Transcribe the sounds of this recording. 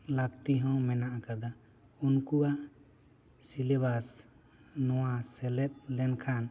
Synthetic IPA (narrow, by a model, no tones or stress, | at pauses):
lak̚t̪iɦɔ̃wmɛnaʔakad̪a | unkuwaʔ | silɛβas | nɔwasɛlɛt̪̚ˀlɛnkʰan